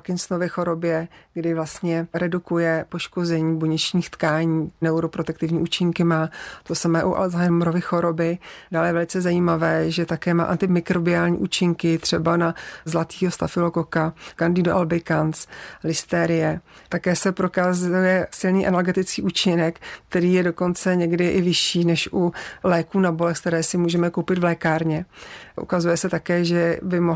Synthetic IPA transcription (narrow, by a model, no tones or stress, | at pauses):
kɪnsnovɪxo̞ɾo̞bjɛɡdɪvlast̪ɲɛɾɛdukujɛpo̞ʃko̞zɛɲiːboɲɛt͡ʃɲiːxt̪kaːɲiːnɛuɾo̞pɾot̪ɛk̚t̪ɪvɲiːʔuːt͡ʃɪŋkɪmaːt̪o̞samɛːʔuʔa̰lzajɛnmɾovɪxo̞ɾo̞bɪdaːljɛvɛlɪt͡sɛzajimavɛːʒɛt̪akɛːma̰ːʔant̪ɪmɪkɾobɪaːlɲḭʔuːt͡ʃɪŋkɪt̪r̝̥ɛbanazlat̪iːɦo̞st̪afɪlokokakandidoʔalbɪkanslɪst̪ɛːɾɪjɛt̪akɛːsɛpɾokaːzujɛsɪlniːʔɛnalɡɛt̪ɪt͡skiːʔuːt͡ʃɪnɛkkt̪ɛɾiːjɛdo̞ko̞nt͡sɛɲɛɡdɪʔɪvɪʃiːnɛʃʔulɛːkuːnabo̞lɛxskt̪ɛɾɛːsɪmuːʒɛmɛkowpɪt̪vlɛːkaːɾɲɛʔṵkazujɛsɛt̪akɛːʒɛbɪmo